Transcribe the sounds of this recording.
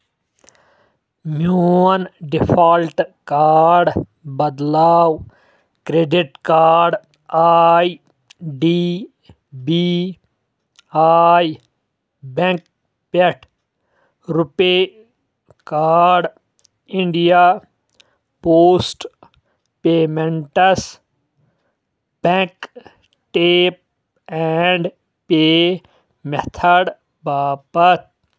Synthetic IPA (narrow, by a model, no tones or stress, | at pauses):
muɐnɖifʰaːlʈkaːɾɖ | bɐd̪laːw | kɾeːɖiʈkaːɖ | aj | ɖi | bi | aːj | bẽŋk | peʈʰ | ɾʊpeː | kaːɾɖ | ɪ̃ɳɖijaː | poːsʈ | peːmẽɳʈɐs | b̥ẽk | ʈeːp̚ | ɛɳɖ | peː | met̪ʰɐɽ | baːpɐt̪̚ʰ